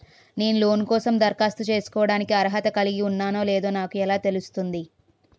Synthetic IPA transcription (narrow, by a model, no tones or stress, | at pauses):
ne̞ːnulo̞ːnkɔːsɐmd̪ɐɾkaːst̪ut͡ʃe̞ːsu̥kɔːʋɐɽaːnikiɐɾɐɦɐt̪ɐkɐliɡiunːaːno̞ːleːd̪o̞ːnaːkuɛlaːt̪e̞lust̪und̪i